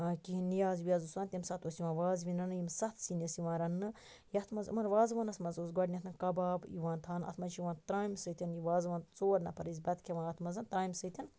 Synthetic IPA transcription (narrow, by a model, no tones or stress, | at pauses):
kiɦinijaːzʋiaːzusaːnt̪ʲimsɐt̪oːsiʋãːʋaːzʋʲinɐnɨjimsɐt̪ʰsinʲɐsiʋãːɾɐnːɨ | jɐt̪ʰmɐzɨ̰mɐɾʋaːzʋɐːnɐt̪ʰmɐzoːzɡɔɖnʲɐt̪ʰɨnkɐbaːbḭʋaːnt̪ʰaːnɐ̰t̪ʰmɐnt͡ʃʰiʋãːnt̪ɾaːjmsɨt̪ʰʲinjiʋaːzʋaːnt͡soːɾnɐpɐɾizʲbɐt̪kʰʲeʋãːnɐt̪ʰmɐzɐnt̪ɾaːjmsɨt̪ʰʲin